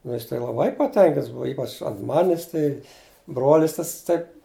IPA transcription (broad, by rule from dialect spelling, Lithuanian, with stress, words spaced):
nʊ ˈjɪs tɐɪ lˠɐˈbɐɪ pɐˈtʲɛŋʲkʲɪnts ˈbʊʋɐ ˈiːpɐt͡ʃ ɐnt ˈmɑːnʲɪs tɐɪ ˈbroːlʲɪs ˈtɐs ˈtɐɪ